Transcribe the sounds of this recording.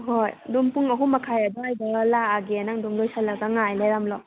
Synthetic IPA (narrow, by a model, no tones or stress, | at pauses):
ɦojdumpuŋɐɦumɐkʰajɐd̪ɔajdalaːɡenaŋdumlojsalːɐɡaŋajleɾamlɔ